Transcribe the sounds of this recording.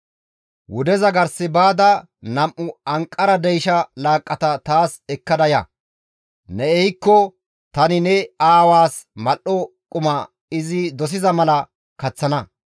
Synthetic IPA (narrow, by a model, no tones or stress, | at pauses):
wʊd̪ɛzɐɡɐɾsɪbaːd̪ɐ | nɐmʔʊɐŋkʼːɐɾɐd̪ɛjʃɐlaːkʼːɐt̪ɐt̪aːsɛkːɐd̪ɐjɐ̰ | nɛɛjkːɔ | t̪ɐnɪnɛaːwaːsmɐlʔɔ | kʼʊmɐ | ɪzɪd̪ɔs̬ɪzɐmɐlɐ | kɐt͡sːɐnɐ